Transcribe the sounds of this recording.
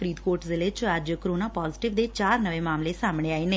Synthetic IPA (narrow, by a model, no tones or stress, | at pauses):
ɾiːd̪koːɾʈzɪleːt͡ʃəd͡ʒkəɾoːnaːpaːzɪʈɪʋd̪eːt͡ʃaːɾnəʋẽːmaːmleːsaːmɽ̃eːaːeːneː